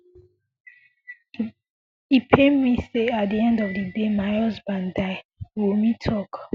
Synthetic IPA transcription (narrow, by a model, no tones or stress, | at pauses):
ipʰemiseat̚diɛ̃ndɔvdədemaɪɔzbãndaɪwilmitʰɔk